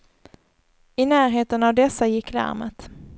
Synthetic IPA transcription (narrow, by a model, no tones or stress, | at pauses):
ɪnæːɾɦeːt̪ənavd̪ɛsːajɪkːlæ̰ɾmə̰t̪